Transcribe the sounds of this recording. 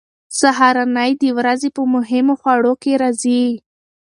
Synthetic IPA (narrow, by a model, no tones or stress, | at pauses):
saɦɑɾanajd̪əwɾazepəmʊɦɪmoxwaɽokeɾazi